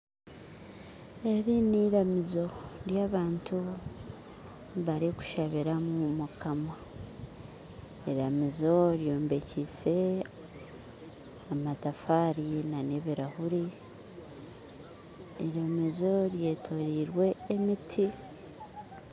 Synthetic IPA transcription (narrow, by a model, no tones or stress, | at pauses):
e̞ɾiniːɾamizo̞ɾjaːβaːntʰu | βaɾiku̥ʃaβiɾamumukʰama | iɾamizo̞ɾjo̞ːmbe̞cise̞ | amatafaːɾinaneβiɾahuɾi | iɾemezo̞ɾje̞tʰoɾiːɾwe̞ːmitʰi